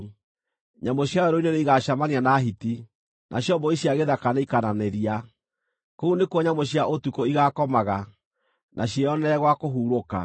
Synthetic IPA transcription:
ɲamoɕjaɔɾoineneiɣaɕamanianaɦiti | nʔa̰ɕjɔmbɔiɕjaɣeðakanaikananeɾia | kounekwɔɲamoɕjaʔotukoiɣakɔmaɣa | nʔaɕjaɔnɛɣwakoɦuːɾoka̰

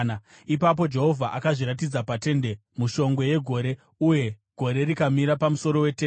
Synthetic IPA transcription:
na | ipap̬o̞d͡ʒe̞ɦo̞vʱaʔakaʐiɾat̬id͡zapate̞nde̞ | muʃo̞ŋɡwe̞je̞ɡʱo̞ɾe̞ | uje̞ | ɡ̥ʱo̞ɾe̞ɾikamiɾapamuso̞ɾo̞we̞ten

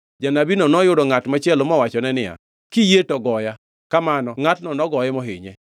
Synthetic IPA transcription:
d͡ʒanabinɔnɔjʊdɔŋatmat͡ʃɛlomɔwat͡ʃɔnɛnɪa̰ | kijetɔɡɔja | kamanɔŋatnɔnɔɡɔjɛmɔɦɪ̰ɲɛ̰

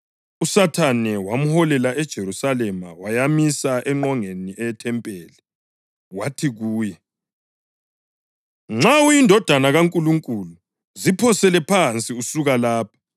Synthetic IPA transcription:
usatʰanɛwam̩hɔlɛlaʔɛd̥ʒ̥ʱeɾusalɛma̰wajamisaʔɛŋ͡ǃɔŋeniɛɛtʰɛmpʼɛːlɛ | watʰiɣuːjɛ | ŋ͡ǁaujindʱɔd̥ʱanaɣaŋkʼuluŋkʼulu | zipʰɔsɛlɛpʰant͡sʼiusuɣalaːpʰḁ

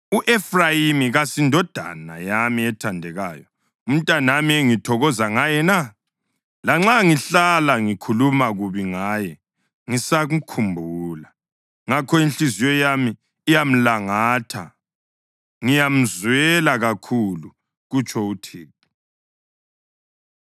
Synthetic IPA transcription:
uʔɛfrajimiɣasindʱɔd̥ʱa̰na̰jamiɛtʰandʱɛɣaːjɔ | um̩tʼanamiɛŋitʰɔɣɔzaŋajɛna | laŋ͡ǁaŋiɬalaŋikʰulumaɣuβiŋaːjɛ | ŋisaɣukʰumbʱuːla | ŋakʰɔinɬizijɔjamiː | jam̩laŋaːtʰa̰ | ŋijam̩zwɛlaɣakʰulu | ɣut͡ʃʰʼɔutʰeːtu̥

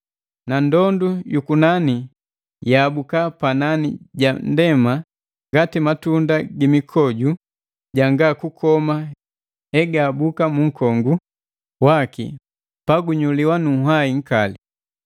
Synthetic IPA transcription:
nandɔndujukunani | jaːbukapananiɟandɛma | ŋɡatimatundaɡimikʰɔɟu | ɟaŋɡakukʰɔma | ɛɡaːbukamuŋ̩kɔŋɡu | wakḭ | paɡuɲuliwanuɦaiŋ̩kali

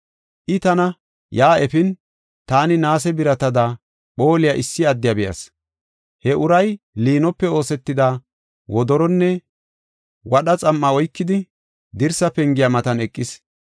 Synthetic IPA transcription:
ʔɪt̪ɐnɐ | jaːɛfɪn | t̪aːnɪnaːs̬ɛbɪɾɐt̪ɐd̪a | ɓo̞ːlɪjaʔɪsːɪɐd̪ːɪjɐbɛjɐ̰s | hɛʔʊɾɐj | liːnɔpːɛo̞ːsɛt̪ːɪd̪aː | wɔd̪ɔɾɔnːɛ | wɐɗɐt͡sʼɐmːɐɔjkːɪd̪ɪ | d̪ɪɾsɐpɛŋɡɪjamɐt̪ɐnɛkʼːɪs

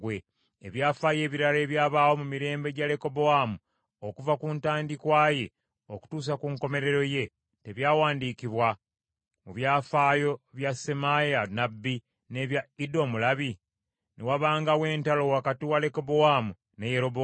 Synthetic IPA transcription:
we | eβjaːfaje̞ːβiɾale̞ːβjaːβaːwo̞mumiɾe̞ːmbe̞ɟale̞ko̞bo̞amu | o̞kuvakuːntaːndikwaːje̞ | o̞ku̥tuːs̬akuːŋko̞me̞ɾe̞ɾo̞je̞ | te̞βjaːwaːndiːkiβwa | muβjaːfaːjo̞βjasemajanabːi | ne̞βjaido̞mulaβi | nʔewaβaːŋɡawe̞ːntalo̞wakatiwaleko̞boamu | nejeɾo̞bo

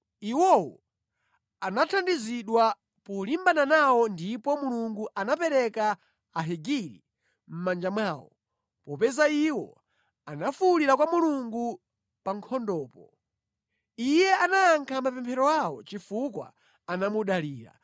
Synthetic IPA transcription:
iwɔwɔ | anatʰandiziɗwa | pulimbananawɔndipɔmuluŋɡuʔanapɛɾɛka | aɦiɡiɾḭ | m̩mand͡ʒamwaːwɔ̰ | pɔpɛzaiwɔ̰ | anafuuliɾakwamuluŋɡu | paŋkʰɔndɔːpɔ | ijɛanaːŋkʰamapɛmpʰɛɾɔawɔt͡ʃifukwa̰ | anamuɗaliːɾa̰

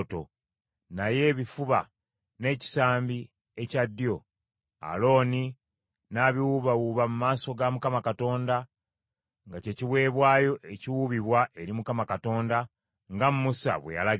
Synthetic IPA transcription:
to̞̰ | naje̞ːβifuβa | ne̞ːci̥saːmbi | ecadːjo̞ | a̰lo̞ːni | naːβiwuβawuβamumaːso̞ɡamukamakato̞ːnda | ŋɡace̞ciwe̞ːβwaːjo̞ʔe̞ciwuβiβwaʔe̞ɾimukamakato̞ːnda | ŋɡamumusa̰βwe̞̰ja̰la

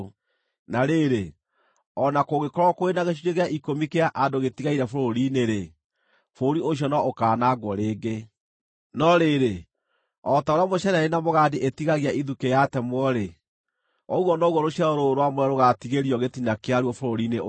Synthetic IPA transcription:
naɾeɾe | ɔnakoɣekɔɾɔkoenaɣeʃ̬uɾeɣeaʔikomikeaʔadoɣetiɣaiɾɛfoɾoɾineɾe | foɾioɕ̬jɔnɔʔokaːnaɡwɔɾeːɡe | nɔɾeɾe | ɔtaoɾeamoɕɛɾaɾenamoɣaːdeʔetiɣaɣeaʔiðukejatɛmwɔɾe | ɔuɣɔnɔɣɔɾoɕiaoɾoɾowamwɛɾoɣatiɣeɾiɔɣetinakeaɾwɔfoɾoɾine

